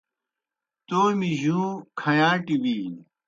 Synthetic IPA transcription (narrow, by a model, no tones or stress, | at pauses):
t̪oːmiʑũːkʰɐjãːʈiwiː